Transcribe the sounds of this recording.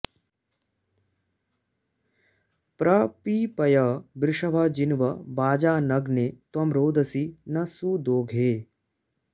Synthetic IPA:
pɾɐpiːpɐjɐːbɾɪʂɐbʱaːd͡ʒinʋɐbaːd͡ʒaːnɐɡneːt̪ɐmɾoːd̪ʱɐsinɐsuːd̪oːɡʱeː

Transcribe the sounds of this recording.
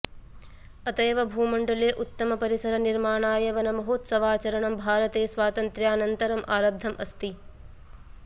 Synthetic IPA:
ɐt̪ɐjʋɐbʱuːmɐɳɖɐleːʔut̪ːɐmɐpɐɾisɐɾɐniɾmaːɳaːjɐʋɐnɐmɐɦoːt̪sɐʋaːt͡ʃɐɾɐɳɐmbʱaːɾɐt̪eːsʋaːt̪ɐnt̪ɾjaːnɐnt̪ɐɾɐmʔaːɾɐb̚d̪ʱːɐmʔɐst̪i

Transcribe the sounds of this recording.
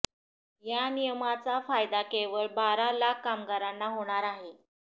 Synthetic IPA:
janijəmat͡safajd̪akeʋəɭbaɾalakːamɡaɾanːaɦoɽ̃aɾaɦe

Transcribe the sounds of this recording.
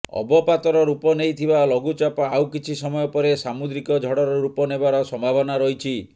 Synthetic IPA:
ɔ̰bɔpat̪ɔɾɔɾupɔnejt̪ʰibalɔɡut͡ʃapaawkit͡ʃʰisɔmɔjɔpɔɾesamud̪ɾikɔd͡ʒʱɔɽɔɾɔɾupɔnebaɾɔsɔmbʱabʱɔnaɾɔɦjt͡ʃʰi

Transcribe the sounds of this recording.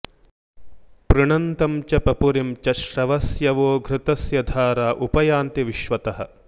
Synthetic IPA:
pɾɨɳɐnt̪ɐmt͡ʃɐpɐpuɾimt͡ʃɐʃɾɐʋɐsjɐʋoːɡʱɾɪt̪ɐsjɐd̪ʱaːɾaːʔupɐjaːnt̪iʋiʃʋɐt̪ɐɦɐ̆

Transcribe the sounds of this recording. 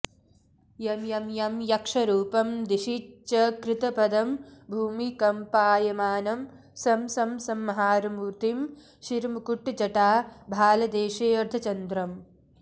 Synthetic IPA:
jɐmjɐmjɐmjɐkʂɐɾuːpɐmd̪iʃit͡ʃɐkɾɪt̪ɐpɐd̪ɐmbʱuːmikɐmpaːjɐmaːnɐm | sɐmsɐmsɐmːɐɦaːɾɐmuːɾt̪im | ʃiɾmukuʈːd͡ʒɐʈaːbʱaːlɐd̪eːʃeːɐɾd̪ʰʱɐt͡ʃɐnd̪ɾɐm

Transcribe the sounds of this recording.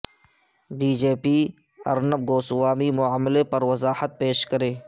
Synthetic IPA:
biːd͡ʒeːpi | ɐ̰ɾnəb̚ɡoːswaːmimʊaːmɪlepɐɾwɐzaːhət̪̚peːʃkɐɾẽː

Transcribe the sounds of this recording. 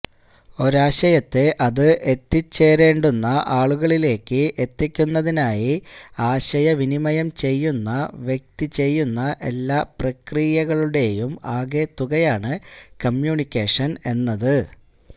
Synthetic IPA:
o̞ɾaːɕɐjɐt̪ːe̞ʔɐðɨʔet̪ːit͡ɕːe̞ːɾe̞ːɳɖunːɐʔaːɭuɣɐɭile̞ːkːɨʔe̞t̪ːikʲːunːɐðinaːjiaːɕɐjɐʋinimɐjɐmt͡ɕe̞jːunːɐʋje̞k̚t̪it͡ɕe̞jːunːɐʔe̞lːaːprɐkrijɐɣɐɭuɽe̞jumaːɡe̞ːt̪ːuɣɐjaːɳɨkɐmjuːɳikʲːeːʂɐne̞nːɐðɨ

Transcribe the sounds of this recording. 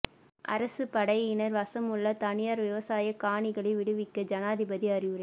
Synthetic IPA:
ʔɐ̰ɾɐsɯpɐɽɐɪɪnɐɾʋɐsɐmʊɭːɐt̪ɐɳɪjaːɾʋɪʋɐsaːjɐkaːɳɪɣɐɭɐɪʋɪɽɯʋɪkːɐd͡ʒɐnaːðɪbɐðiɐɾɪʋɯɾɐ

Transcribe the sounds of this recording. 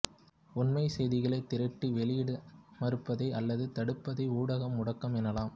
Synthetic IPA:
ʊnmɐɪsɛjðɪɣɐɭɐɪt̪ːɪɾɐʈːiʋɛɭɪjɪɽɯmɐɾɯpːɐðɐɪʔɐlːɐðɯt̪ɐɽɯpːɐðɐɪuːɽɐɣɐmːʊɽɐkːɐmɛnɐlaːm

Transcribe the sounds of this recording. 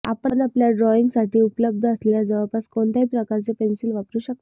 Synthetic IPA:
a̰pənapljaɖɾɔiŋɡsaʈiːupləb̚d̪ʱəəsleljad͡zəʋapaskoɳt̪aɦipɾəkaɾt͡sepensilʋakɾuːɕək̚t̪o

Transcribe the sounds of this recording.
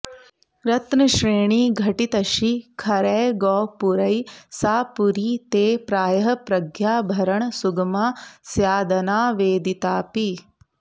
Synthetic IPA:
ɾɐt̪nɐʃɾeːɳiːɡʱɐʈit̪ɐʃikʰɐɾɛːɡɔːpuɾɐjsaːpuɾiːt̪eːpɾaːjɐɦɐpɾɐɡʱjaːbʱɐɾɐɳsuɡɐmaːsjaːd̪ɐnaːʋeːd̪it̪aːpi

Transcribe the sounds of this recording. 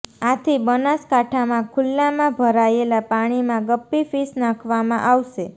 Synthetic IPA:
at̪ʰibənaskaʈʰamãkʰʊlːamãbʱəɾaelapaɽ̃imãɡəpːifisnãkʰʋamãʔaʋʃe

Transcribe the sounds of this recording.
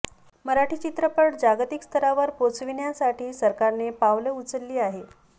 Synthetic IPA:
məɾaʈʰiːt͡ɕit̪ɾəpəɽd͡ʑaɡt̪ikst̪ʰəɾaʋəɾpot͡sʋiɳjasaʈʰiːsəɾkaɾnepaʋleut͡səlːiːaɦe

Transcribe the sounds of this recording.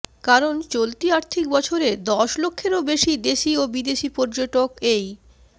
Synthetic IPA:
kaɾont͡ɕolt̪iaɾt̪ʰikbɔt͡ɕʰoɾed̪ɔʃlokʰːeɾobeʃid̪eʃiobid̪eʃipɔɾd͡ʑoʈokej

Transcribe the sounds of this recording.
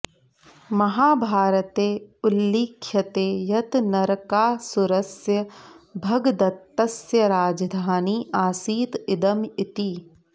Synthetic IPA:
mɐɦaːbʱaːɾət̪eːʊlːiːkʰːjɐt̪eːjɐt̪nɐɾkaːsʊɾɐsjɐbʱɐɡd̪ɐt̪ːɐsjɐɾaːd͡ʒd̪ʱaːniːʔaːsiːt̪ɪd̪ɐmɪt̪iː

